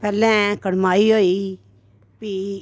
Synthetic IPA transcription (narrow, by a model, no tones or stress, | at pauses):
pɛːlɛ̃ːkəɽmaːiːɦoːiː | pi